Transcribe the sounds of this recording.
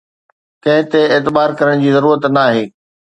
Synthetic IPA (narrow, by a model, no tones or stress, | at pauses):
kɐ̃ɦɪ̃t̪eeːt̪ɪbaːɾkɐɾəɽ̃d͡ʑiːzɐɾuːɾət̪naːɦeː